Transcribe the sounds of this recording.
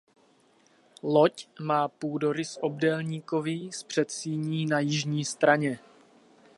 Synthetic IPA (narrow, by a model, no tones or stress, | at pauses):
lo̞cmaːpuːdo̞ɾɪsʔob̚dɛlɲiːko̞vispr̝̥ɛt̪siːɲiːnajɪʒɲiːst̪ɾaɲɛ